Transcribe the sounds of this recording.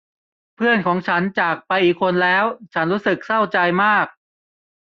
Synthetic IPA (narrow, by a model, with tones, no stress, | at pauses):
pʰɯ˥˩ənkʰɔː˩˦ŋt͡ɕʰa˦˥nt͡ɕaː˨˩k̚pa˧jʔiː˨˩kʰːo˧nlɛː˦˥wt͡ɕʰa˦˥nɾuː˦˥sɯ˨˩k̚sa˥˩wt͡ɕa˧jmaː˥˩k̚